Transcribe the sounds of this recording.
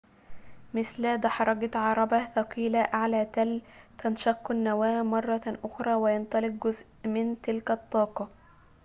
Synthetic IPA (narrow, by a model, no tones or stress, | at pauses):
mɪθlæd̪ɑħɑɾˤɑɡɑt̪ʕɑɾˤɑbaθɑqiːlaʔaʕlaːt̪ælt̪anʃɑqːanːawaːmɑrˤːɑʔʊxɾˤɑːwɪjɑnt̪ˤɑlɪq̚ɡʊzʔmɪnt̪ɪlkat̪ˤːɑːqɑ